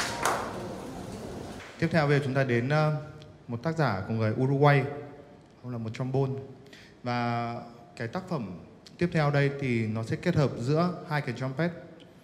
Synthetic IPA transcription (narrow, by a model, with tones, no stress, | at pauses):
t̪i˦˥əp̚t̪ʰɛ˧wve˨˩t͡ɕʊ˨˦ŋ͡mt̪aː˧ɗe˨˦n˧ | mo˨˩t̚t̪aː˦˥k̚zaː˧˩ku˧˩əŋɨ˨˩əjʔu˧zu˧ʔwa˧j | hə˧wŋ͡mlaː˨˩mo˨˩t̚t͡ɕɔ˧mɓo˧n | vaː˨˩ | kaː˨˦jt̪aː˦˥k̚fə˧˩m | t̪i˦˥əp̚t̪ʰɛ˧wɗə˧jt̪ʰi˨˩nɔ˨˦sɛ̰˧˥ke˦˥t̚həː˨˩p̚zɨ̰˧˥əhaː˧jka˨˩˦jt͡ɕɔ˧mpɛ˦˥t̚